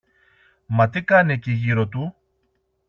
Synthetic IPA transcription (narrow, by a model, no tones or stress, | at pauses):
mɐt̪̬ikɐneciʝiɾo̞t̪̬u